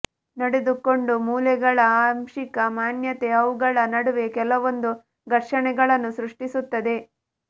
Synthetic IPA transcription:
nɐɽe̞d̪uko̞ɳɖumuːlɛɡɐɭɐaːmʂikɐmaːnjɐt̪eɐʋuɡɐɭɐnɐɽuʋe̞kɛlɐʋo̞nd̪u | ɡ̪ɐɾʂɐɳɛɡɐɭɐnːusɾuʂʈisut̪ːɐd̪e̞

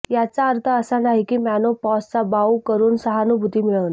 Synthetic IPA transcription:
jat͡saəɾt̪ʰaəsanaɦikiːmænopɔst͡sabaukəɾuːnsəɦanubʱut̪imiɭən

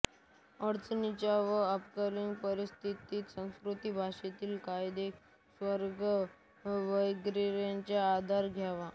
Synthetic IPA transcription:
əɾt͡snit͡ɕjaʋəəpkəɾiŋɡpəɾist̪ʰit̪iːt̪sə̃w̃skɾut̪ibʱaʂet̪iːlkajd̪ek | sʋəɾɡə | ʋəjɡɾiɾjaɲt͡ɕjaːd̪ʱaɾɡʱjaʋa

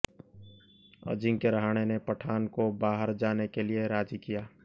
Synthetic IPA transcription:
ə̰d͡ʒɪ̃ŋkeɾɐɦaːɽ̃enepɐʈʰaːnkobaːɦəɾd͡ʒaːnekelieɾaːd͡ʒikijaː

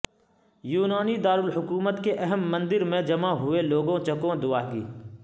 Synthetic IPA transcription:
juːnaːnid̪aːɾʊlɦʊkuːmət̪keʔɛɦəmːɐ̃nd̪ɪɾmẽd͡ʒɐmaɦʊeloːɡõt͡ʃɐkõd̪ʊaːɦɡḭː

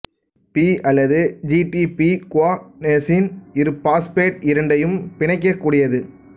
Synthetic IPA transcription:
piːɐlːɐðɯd͡ʒiʈipikʊaːnesinɪɾɯpaːspeːʈ̚ɪɾɐɳɖɐjɯmpɪɳɐɪk̬ːɐkːuːɽɪjɐðɯ

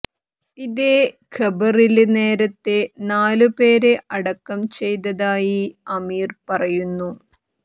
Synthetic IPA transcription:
iðekʰɐbɐrilne̞ːɾɐt̪ːe̞naːlupe̞ːɾe̞ʔɐɽɐkːɐmt͡ɕe̞jt̪ɐðaːjiɐmiːrpɐrɐjunːu

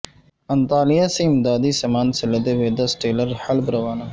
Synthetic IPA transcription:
ɐnt̪aːlijaseɪmd̪aːd̪isɐmaːnsɪlɐd̪eʋeːd̪ɐsʈeːlɐɾhɐlbɾɐʋaːnɐ

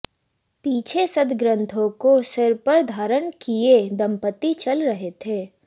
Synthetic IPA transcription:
piːt͡ʃʰesɐd̪ɡɾə̃nt̪ʰõkosɪɾpəɾd̪ʱaːɾənkied̪ɐ̃mpət̪it͡ʃɐlɾɐɦet̪ʰeː

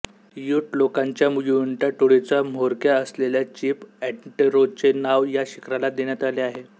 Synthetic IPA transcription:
juːʈlokaɲt͡ɕjamujuɳʈaʈoɽet͡sam̤oɾkjaəsleljat͡ɕiːpæʈʈiɾot͡senaʋjaɕi̥kʰɾalad̪eɳjat̪aleaɦe

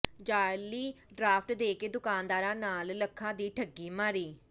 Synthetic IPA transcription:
d͡ʒaːɾliː | ɖɾaːpʰʈd̪eːkeːd̪ʊkaːnd̪aːɾãːnaːlləkʰːãːd̪iːʈʰəɡːiːmaːɾiː

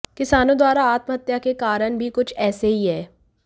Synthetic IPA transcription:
kɪsaːnõd̪waːɾaaːt̪məɦət̪jakekaːɾəñbʱikʊt͡ʃʰɛːseɦiɦɛː

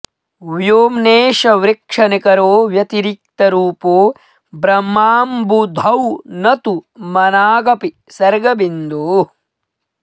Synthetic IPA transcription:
ʋjoːmneːʃɐʋɾikʂɐnikɐɾoːʋjɐt̪iɾik̚t̪ɐɾuːpoː | bɾɐmːaːmbud̪ʱɐwnɐt̪umɐnaːɡɐpi | sɐɾɡɐbind̪u

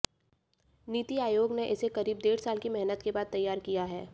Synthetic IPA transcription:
niːt̪iaːjoːɡneʔɪsekɐɾiːb̚d̪eːɾsaːlkimɛɦnət̪kebaːd̪̚t̪ːɐjːaːɾkijaɦɛː

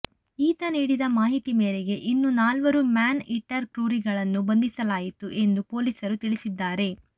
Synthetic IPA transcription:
iːt̪ɐniːɽid̪ɐmaːɦit̪imeːɾeɡe̞ʔinːunaːlʋɐɾumaːniʈːɐɾkɾuːɾiɡɐɭɐnːubɐnd̪isɐlaːjit̪uʔe̞nd̪upo̞ːlisɐɾut̪iɭisid̪ːaːɾe̞

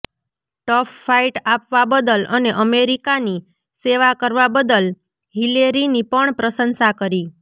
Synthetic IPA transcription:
ʈɔpʰːaiʈapʋabəd̪ələneʔəmeɾikani | seʋakəɾʋabəd̪əl | ɦileɾinipəɳpɾəsənsakəɾi

